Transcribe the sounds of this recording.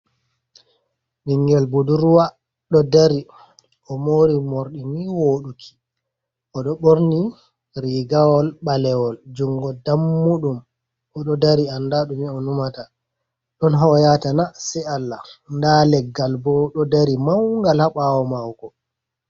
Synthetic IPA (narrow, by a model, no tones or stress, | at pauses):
miŋɡɛlbuduɾuwa | ɗɔdaɾi | ɔmoɾimoɾɗimiwoːɗukʰi̥ | ʔɔɗɔɓoɾni | ɾiɡawɔlɓalɛwɔld͡ʒuŋɡɔdamːuɗum | ɔɗɔdaɾiandaɗumiɔnumata | ɗɔnɦɔjatanasɛalːandalɛɡːalbɔɗɔdaɾimawŋɡalhaɓawɔmawkɔ